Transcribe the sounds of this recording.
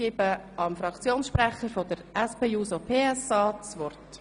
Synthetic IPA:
ɪb̥əɑmfɾɑkt͡sjoːnsʃpɾɛχəɾfodəɾɛspeːuːsopʰeːɛsɑːt͡sʋɔrt

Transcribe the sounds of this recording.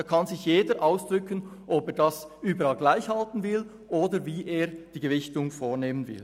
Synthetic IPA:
ɑkʰɑnzɪçjeːdəɾʔaʊsd̥ʁʏkənʔɔpeːɐdɑsyːbəɾɑlɡlaɪçhɑltn̩vɪl | ʔoːdəviːʔeːd̥iːɡəvɪçtʊŋfoːʁneːmənvɪ̰l

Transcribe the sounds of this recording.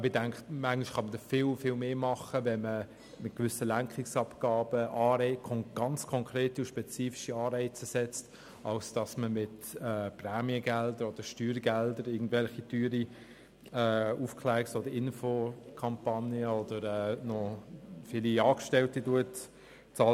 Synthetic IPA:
bɪdɛŋktmæŋɪʃχɑmədɔfɪlfɪlmeːmɑχəvɛnmə | mɪt̚kvʏsəlæŋkχɪksɑpɡ̥ɑːbəʔɑːɾɛɪkʰɔŋɡ̥ɑnt͡skʰɔŋkɾeːtiuʃpɛt͡siːfi̥ʃiɑːɾɛɪt͡səsɛt͡st | ɑlsd̥ɑsməmɪtɛːprɛːmiəɡɛldəɾɔd̥əɾʃtyːɾɡɛldəɾɪːɡn̩dvɛlχityːɾi | ɛːufklɛːksodəɾɪnfokʰɑmpɑnjəɔdəɾɛːnɔfɪliɑːkʃtɛltituət | t͡sɑl

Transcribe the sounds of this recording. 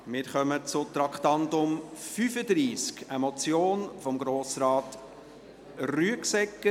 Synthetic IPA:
mɪɾχœmət͡sʊtɾɑkχtɑntʊmfyfədɾiːskəmɔt͡sjoːnfɔmɡɾoːsɾɑːt | ryəksɛkːə

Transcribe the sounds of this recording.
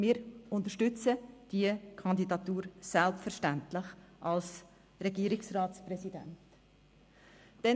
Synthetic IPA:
mɪːɾʊntəʃtʏt͡səd̥iəkʰɑndidɑtuːɾsɛlpfəɾʃtæntlɪχʔɑls | ɾɛɡiːɾɪksraːtsprɛsidɛ̰nt | d̥ɛ

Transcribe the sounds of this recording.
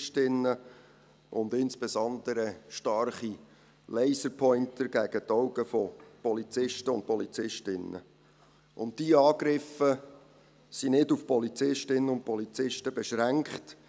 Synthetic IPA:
ʃtɪnːə | ʔʊndɪnsb̥ɛsɔnd̪əɾəʃtɑrχi | lɛɪsəɾpʰɔʏntəɡ̥æɡ̥ətɔʊɡəfɔpɔlit͡sɪʃtəʊ̰nt̚pɔlit͡sɪʃtɪnːə̰ | ʔʊ̰nttiɑːɡɾɪfə | sinɪdufpɔlit͡sɪʃtɪnːəʊnt̚pɔlit͡sɪʃtəbɛʃɾæŋkχt

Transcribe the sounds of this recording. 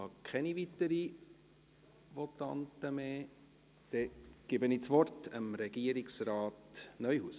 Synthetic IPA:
ɑkʰχɛnivit̪əɾi | ʋɔtɑ̰ntəmeː | d̥ɛɡ̥ɪbəniːt͡sʋɔrtəmɾɛɡ̥iəɾiksɾɑːtnœʏhuːs

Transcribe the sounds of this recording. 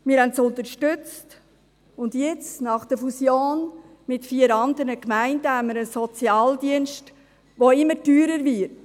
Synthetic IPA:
mɪːɾɦɛntt͡sʊnt̪əɾʃtʏt͡st | ʊndjɛt͡snɑχd̥əfusjoːn | mɪtfiːəɾɑnd̪əɾnəkmæɪndəhæmːəɾəsɔt͡sjɑːldiənʃt | ʋoɪmːətyːɾəɾvɪt

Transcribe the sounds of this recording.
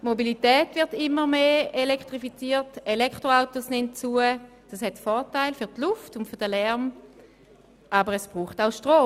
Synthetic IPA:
mobilitɛːtvɪɐtɪmːəʁmeːelɛkχtʁifit͡siːətelɛktʁoaʊtosnɛntt͡suə | d̥ashɛtfɔʁtaɪlfyʁtluftʊntfyɐʁdəlɛʁm | ʔabəʁɛsb̥ʁuːχtaʊʃtʁoː

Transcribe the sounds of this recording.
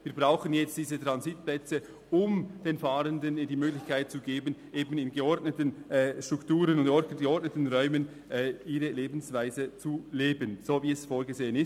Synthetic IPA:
viːɐbʁaʊχənjɛt͡std̥iːzət̪ʁɑnzit̚plɛt͡sə | ʊmd̥eːnfɑːɾəndəndiːmøːɡlɪçkaɪt̚t͡suɡeːbənʔeːbənɪnɡəɔɾtnətənɛːʃtɾ̥uktuːɾənʊndɔəɡəɔɾtnətən̩ʁœʏmən | ʔɛːiːɾəleːbn̩svaɪzət͡suleːbənz̥oːviːɛsfoːɾɡəzeːənɪs

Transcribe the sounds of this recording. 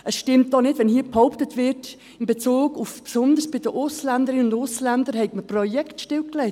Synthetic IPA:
ʔəsʃtɪmt̚d̥ɔnɪdʋɛnhiəphɔʊptətʋɪɾt | ɪnbet͡suːɡufpsʊndəɾsb̥ɪdəʔʊslændəɾɪnəʊndʊslændəɾhɛɪɡməprɔjɛktʃtɪlklɛɪt

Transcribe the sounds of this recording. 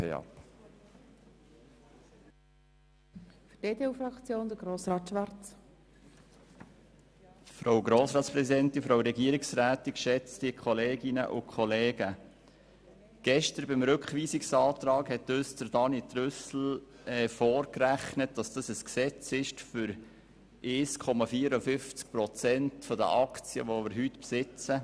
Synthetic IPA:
ɛ̰ɑ̰p | fyd̥eːdeːufɾɑkt͡sjoːnd̪əɡɾoːsɾɑːtʃʋɑɾt | fɾowɡɾoːsɾɑːt̪spɾɛsidɛntinfɾowɾɛɡiəɾiksɾæːt̪iʃɛt͡stiəkχɔleːɡɪnə̰ʔʊkʰχɔleːɡ̥ə | ɡ̥ɛʃtəɾbɪmɾʏkχʋiːsiksɑːt̪ɾɑːkhɛt̪øsd̥əɾd̥ɑnit̪ɾʏsl̩ | ɛfɔːɾkræχnət̚d̥ɑsd̥ɑsəsksɛt͡sɪʃtfʏɾ | ʔeːskʰɔmɑfiəɾɔfʏft͡sk̚pɾɔt͡sɛntfɔd̪ə̰ʔɑkt͡siə̰ʋomɪɾɦyt̪psɪt͡sə

